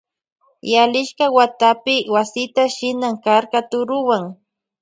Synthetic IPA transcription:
jalɪʃkɑwat̪apɪwasɪt̪aʃɪnaŋkaɾkat̪ʊɾʊwaŋ

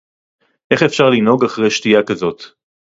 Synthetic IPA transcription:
ʔe̞χefʃaʁlino̞ɡaχʁejʃtijakazo̞t̪

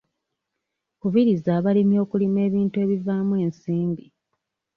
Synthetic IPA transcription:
kuβiɾizaːβalimjo̞ːkulime̞ːβiːntue̞ːβivaːmwe̞ːnsiːmbi

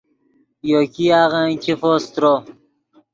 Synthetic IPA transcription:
jokiaːɣãkʰifost̪ɾo

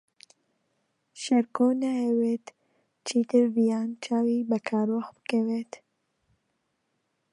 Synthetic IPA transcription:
ʃɛɾkoːnaɛweːt̪ | t͡ʃʰit̪ɨɾvijaːnt͡ʃʰaːwibɛkʰaːɾoxb̥ɨ̥kɛweːt̪

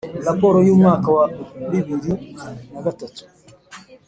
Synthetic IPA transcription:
lapɔɾɔjumwakawabibiɾunakatatu̥

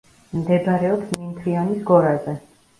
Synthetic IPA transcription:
md̪ɛd̪aɾɛɔpsmint̪ʰɾianisɡɔɾazɛ

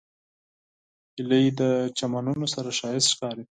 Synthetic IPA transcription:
ɪləid̪ət͡ʃamanunosaɾaʃɑjɪst̪ʃkɑɾi

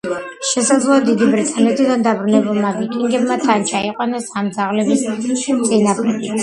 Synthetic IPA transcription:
ʃɛsad̪zlˠɔad̪id̪ibɾit̪ʼanɛt̪ʰid̪and̪abɾunɛbulˠmabik̪ʼiŋɡɛbmat̪ʰant͡ʃʰaiqʼwanasamd̪zaʁlɛbist̪sʼinapʰlɛɡi

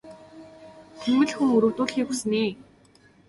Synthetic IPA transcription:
t̪ʰemːɘ̆ɮxuŋɵɾɵ̆wt̪ʊːɮxiːkxusɘ̆niː

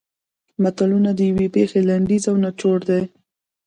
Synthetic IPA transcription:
mat̪alunad̪əjawepexelaɳɖ̪izawnat͡ʃoɽd̪e

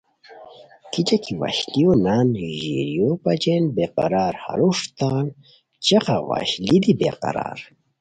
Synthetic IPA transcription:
kit͡ɕɐkiwa̰ɕlionaːniʑḭɾijopɐd͡ʑenbeqɑ̰ɾaːɾha̰ɾuʂt̪aːn | t͡ɕɐxawa̰ɕlid̪ibḛqa̰ɾa̰ːɾ

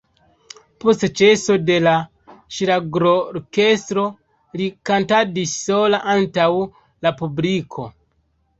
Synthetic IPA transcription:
po̞stt͡ʃe̞so̞de̞la | ʃiɾaɡɾoɾke̞stɾo̞ | likantadisːo̞laʔantaw | lapublikʰo̞̰

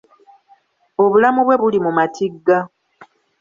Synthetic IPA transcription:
o̞βulamuβwe̞βulimumatʰiɡːa

